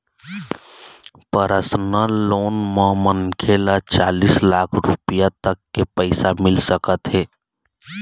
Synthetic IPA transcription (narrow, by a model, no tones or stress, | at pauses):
pəɾəsnaloːnmɔːmənkʰeːlat͡ʃaːliːslaːkʰɾṵpijat̪əkːepɛɪsamɪlsəkət̪ɦɛː